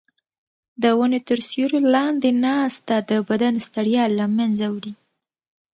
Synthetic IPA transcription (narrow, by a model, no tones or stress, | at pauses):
d̪əwənet̪əɾsjuɾolɑnd̪enɑst̪ad̪əbad̪anst̪aɽjɑlːamanzawɽi